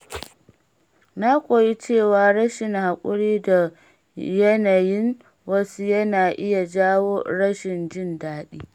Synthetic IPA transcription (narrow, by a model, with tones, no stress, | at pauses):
na˦kʷʼoː˨ji˦t͡ʃeː˦˨waː˨ɽɐ˦ʃɪ˨ŋha˨kʷʼʊ˦ɽiː˦da˨ | jɐ˦na˨jɪ˦ŋ | wɐ˦su˦jɐ˦naː˨ʔɪ˦ja˨d͡ʒaː˦woː˦ɽɐ˦ʃɪ˨nd͡ʒɪ˦ndaː˦ɗiː˦